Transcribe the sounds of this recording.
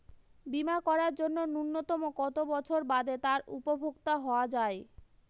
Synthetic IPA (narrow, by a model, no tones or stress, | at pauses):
bimakɔɾaɾd͡ʑonːonunːot̪ɔmokɔt̪obɔt͡ɕʰoɾbad̪et̪aɾṵpobʱoɡt̪aɦɔoad͡ʑae